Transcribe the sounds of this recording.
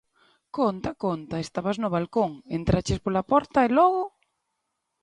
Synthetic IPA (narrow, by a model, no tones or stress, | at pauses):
kont̪akont̪aest̪aβaznʊβ̞alkoŋent̪ɾat͡ʃɪspolapɔɾt̪aelɔɣʊ